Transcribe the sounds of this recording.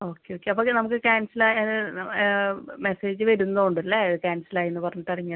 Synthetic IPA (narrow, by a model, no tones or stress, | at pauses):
o̞ːkːeoːkːeɐpːonɐmuk̬ːɨkaːnsɐlaːjɐðɨ | me̞seːd͡ʑɨʋɐɾunːoːuɳɖɐlːɐɐðɨkaːnsɐlaːjenːɨpɐrɐɲːuʈːɐriɲːɐ